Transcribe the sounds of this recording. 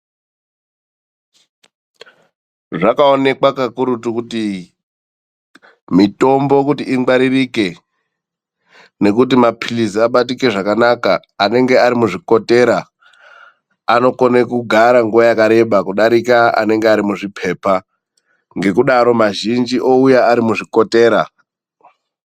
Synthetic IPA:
ʐakaone̞kwakakuɾutukuti | mito̞mbo̞kutiːŋɡ͡baɾirike̞ | ne̞k̬ut̬imapʰiliziaɓatike̞ʐakanakaː | ne̞ŋɡe̞aɾimuʐiko̞te̞ɾa | no̞konekuɡʱaɾaŋɡuajakaɾe̞ɓakuɗaɾikaa̰ne̞ŋɡeaɾimuʐipʰe̞ːpa | ŋɡe̞kuɗaɾo̞maʒind͡ʒiʔo̞ujaaɾimuʐiko̞te̞ːɾa

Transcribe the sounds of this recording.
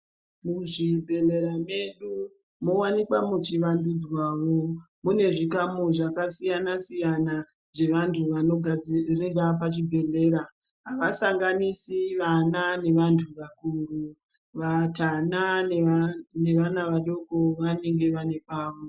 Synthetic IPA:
muʐibʱe̞le̞ɾame̞ɗu | mo̞wanikwamut͡ʃiʋandud͡zwaːʋo̞ | mune̞ʐikamoʐakasijanasijana | d͡ze̞ʋantʰuʋanoɡʱd͡zriɡapat͡ʃibʱe̞ɮe̞ɾa | ɦaʋasaŋɡanisiʋanane̞ʋantʰuʋakuru | ʋatana | ne̞ʋanaʋaɗo̞koʋane̞ŋɡe̞ʋane̞paːʋo

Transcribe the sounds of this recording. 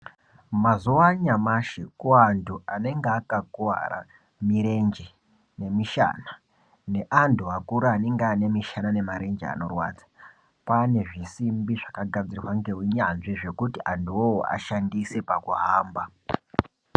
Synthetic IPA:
mazuwaɲamaʃikuantʰuane̞ŋɡeakakuwa̰ɾa̰ | miɾe̞nd͡ʒe | ne̞miʃa̰ːna | ne̞ʔantʰuakuɾaːne̞ŋɡaːne̞miʃanane̞maɾe̞nd͡ʒḛa̰no̞rwa̰ːd͡zḁ | pane̞ʐisimbiʐakaɡʱad͡zirrwaŋɡeɦiɲanʐiʐe̞kutiʔantuoa̰ʃandise̞pakuɦaːmba

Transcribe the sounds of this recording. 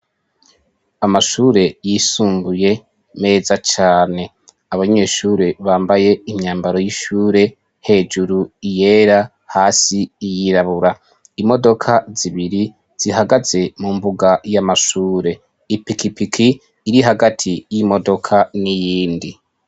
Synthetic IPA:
amaʃuːɾe̞jiːsuːmbuje̞ | me̞ːzat͡ʃaːne̞ | aβaɲe̞ːʃuːɾe̞βaːmbaje̞imɲaːmbaɾo̞jiʃuːɾe̞ | he̞ːd͡ʒuɾuije̞ːɾa | haːsiːjiɾaβuɾa | imo̞do̞kʰaziβiɾi | z̥iɦaɡaze̞mumbuɡajamaʃuːɾe̞ | ipikipikʰiː | ɾiɦaɡatʰijimo̞do̞kʰanijiːndi

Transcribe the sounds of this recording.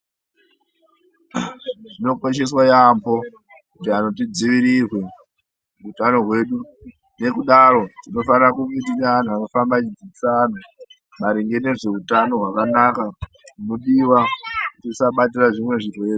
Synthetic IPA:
ʐino̞kwo̞ʃ̬e̞s̬wajambo̞ | kutiano̞tid͡ziʋiɾirwe̞ | utano̞ɦwe̞ːɗu | ne̞kuɗaɾo̞tino̞fanirakumit̬inean̤ʰuano̞fambat͡ʃid͡ziisaːn̤u | maɾiŋɡe̞ne̞ʐe̞utano̞ɦwakanaka | muno̞ɗiwakutisaɓatiraʐimwe̞ʐirwe̞ːre

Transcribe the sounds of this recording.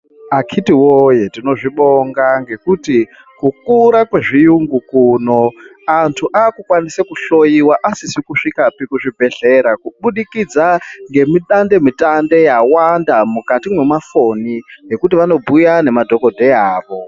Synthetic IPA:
akʰitiwojetino̞ʐiɓoŋɡaŋɡe̞kuti | kukuɾakwe̞ʐijuŋɡukuːno̞ | antʰuʔaːkukwanisekuɬo̞jiwaʔasisikuʂikapikuʐibʱe̞ɬe̞ɾakuɓuɗikid͡zaŋɡe̞miɗande̞mitande̞jawandamukatimwe̞mafo̞nije̞kutiʋano̞bʱujane̞madʱo̞ko̞dʱe̞aːʋo̞

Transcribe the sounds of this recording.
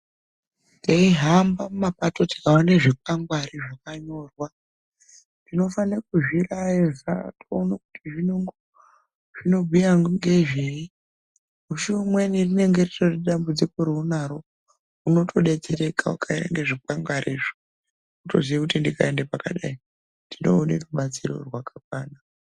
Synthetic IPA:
ndaiɦambamumapato̞tikaoneʐik̚aŋɡwariʐakaɲo̞rwa | ndino̞fanekuʐiraezatoːnakutiʐinoŋɡo | ʐ̥ino̞bʱijaŋɡe̞ʐei | uʃimwenirineŋɡe̞rerareɗambud͡ziko̞ɾeunaɾo̞ | uno̞tʰo̞ɗe̞t͡seɾe̞kaukʰaeɾḛŋɡeʐikaŋɡwaɾʔiːʐi | uto̞̰ziʋakutindikʰaendepaka̰ɗai | ndino̰ːnḛruɓat͡siro̞̰rwakak̚waːna

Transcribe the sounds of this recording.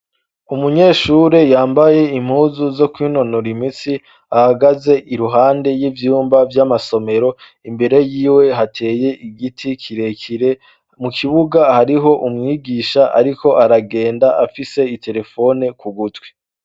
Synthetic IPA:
umuɲe̞ːʃuɾejaːmbaje̞im̥huːzuzo̞kwiːnonoɾimisi | ahaɡaze̞ʔiɾuɦaːnde̞jivjuːmbavjamaso̞me̞ɾo̞ | imbe̞ɾe̞jiːwe̞ɦatʰe̞ːje̞iɡitʰikʰiɾe̞kiɾe | mukʰiβuɡahaɾiɦo̞ʔumŋiːɡiːʃaʔa̰ɾikʰo̞ʔaɾaɡe̞ːndaʔafise̞itʰe̞ɾe̞fo̞nekuɡutwe

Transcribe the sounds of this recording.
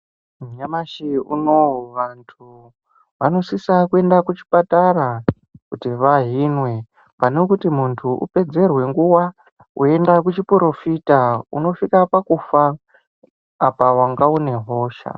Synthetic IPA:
mɲamaʃiṵnoʋantʰu | ʋano̞sisakue̞ndakut͡ʃi̥pataɾa | kutiʋaɦinwe̞ | pane̞kutimuntʰuʔṵpe̞d͡ze̞rwe̞ŋɡuwa | ue̞ndakut͡ʃipɾo̞fitaṵno̞fikapakufa | pawaŋɡaune̞ɦo̞ːʃa̰

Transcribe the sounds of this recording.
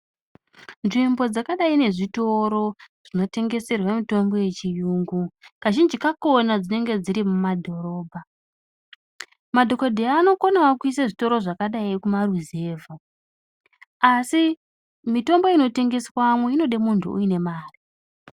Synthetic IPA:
nʐimbo̞d͡zakaɗaine̞ʐito̞ɾo̞ʐ̥ino̞te̞ŋɡe̞se̞rwamito̞mbo̞je̞t͡ʃijuːŋɡukaʒind͡ʒikako̞nad͡zine̞ŋɡe̞d͡ziɾimumadʱo̞ɾo̞ːbʱa | madʱo̞ko̞dʱeaːno̞konawakuisaʐito̞ɾo̞ʐakaɗaikumaruze̞ːvʱa | asi | mito̞mbo̞ino̞te̞ŋɡe̞swamweino̞ɗemuntʰuṵine̞maːri

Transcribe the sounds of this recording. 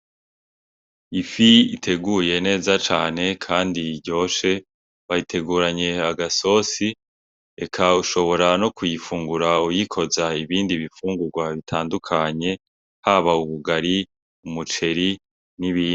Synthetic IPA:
ifiitʰe̞ɡuje̞ne̞ːzat͡ʃaːne̞kʰaːndiɟo̞ːʃe̞ | βajitʰe̞ɡuːɾaɲe̞aɡaso̞ːsi | ḛkʰauʃo̞βo̞ɾanokujifuːŋɡuɾaujikʰo̞zaiβiːndiβifuːŋɡuɾɡwaβitʰaːndukʰaɲe̞ | haβauβuɡaɾi | umut͡ʃe̞ɾi | niβiː

